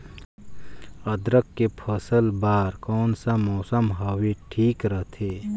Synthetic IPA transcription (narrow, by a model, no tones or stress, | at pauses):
ɐd̪ɾəkːepʰəsəlbaːɾkɔːnsamɔːsəmɦɐweʈʰiːkɾəɦt̪ʰeː